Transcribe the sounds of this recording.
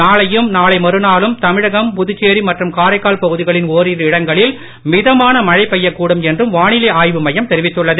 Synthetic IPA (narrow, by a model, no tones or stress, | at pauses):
naːɭɐjɯmnaːɭɐɪmɐɾɯnaːlɯmt̪ɐmɪɻɐɣɐmpʊðɯt͡ʃːeːɾimɐʈrɯmkaːɾɐɪkːaːɭpɐɣɯðɪɣɐɭɪnoːɾiɾɪɽɐŋɡɐɭɪl | mɪðɐmaːnɐmɐɻɐɪpːɐjːɐkːuːɽɯmɛndrɯmʋaːɳɪlɐaːjʋɯmɐjɐmt̪ɛɾɪʋɪt̪ːɯɭːɐðɯ